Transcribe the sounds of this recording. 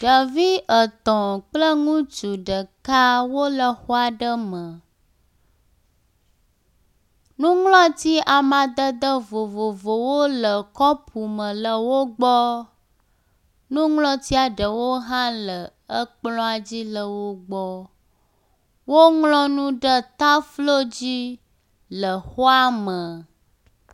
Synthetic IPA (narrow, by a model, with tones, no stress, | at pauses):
ɖə˨vi˦ʔə˨t̪ɔ̃˨k͡plə˦ŋũ˦t͡ʃu˨ɖə˨ka˦wo˦lə˨xo˦a˨ɖə˦mə̃˨ | nũ˦ŋlɔ̃˦t̪i˦ʔa˨mã˨d̪ə˦d̪ə˦vo˨vo˨vo˨wo˦lə˨kɔ˦pʰu˨mə̃˨lə˨wo˦ɡ͡bɔ˦ | nũ˦ŋlɔ̃˦t̪i˦a˨ɖə˨wo˦ɦã˦lə˨ | ə˦k͡plɔ̃˦a˨d͡ʑi˦lə˨wo˦ɡ͡bɔ˦ | wo˦ŋlɔ̃˦nũ˦ɖə˦t̪a˦flo˦d͡ʑi˦ | lə˨xɔ˦a˦mə˨